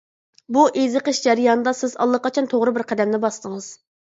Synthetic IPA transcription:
buʔezɨqəʃd͡ʒɛɾɨjɑnɨd̪ɑsɪzɑ̰lˠːəqɑt͡ʃʰɑnt̪ʰoʁɾɨbɪɾqʰɛd̪ɛmnɪbɑst̪əŋɨz̥

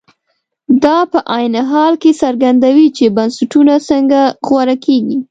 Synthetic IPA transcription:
d̪ɑpəʔajnɪɦɑlkesaɾɡand̪awit͡ʃebansaʈunasəŋɡaɣwaɾakʰeɡi

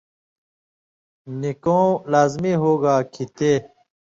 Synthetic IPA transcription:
nikõːlaːzmiːɦoːɡaːkʰit̪eː

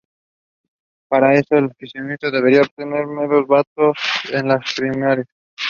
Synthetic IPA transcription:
paɾaesoelfisjonist̪od̪eβeɾiaob̚t̪eneɾmelozbat̪osenlaspɾimaɾjas

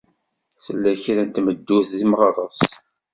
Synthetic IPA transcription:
səlːæçɾænt̪məd̪ːuθðimʁɑɾˤəsˤ

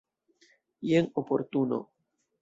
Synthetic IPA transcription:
jenopo̞ɾt̪uno̰

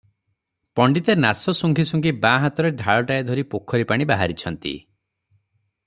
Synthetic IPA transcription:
pɔɳɖit̪enasɔsuŋɡʱisuŋɡibaɦat̪ɔɾed̪ʱaɭɔʈaed̪ʱɔɾipokʰːɔɾipaɽ̃ibaɦaɾit͡ʃʰɔnt̪ḭ

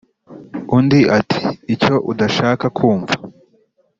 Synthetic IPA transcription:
undiʔatʰi̥ːco̞ʔudaʃaːkakʰuːɱva

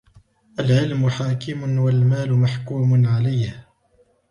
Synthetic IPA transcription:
ʔalʕɪlmʊħaːkɪmʊnwalmaːlʊmaħkuːmʊnʕalajh

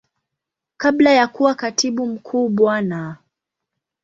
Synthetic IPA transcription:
kaɓlajakuwakatiɓum̩kʰuːɓwana

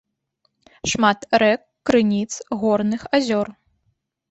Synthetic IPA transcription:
ʂmat̪ɾɛkːɾɨnʲit̪sɣɔrnɨxazʲɔr

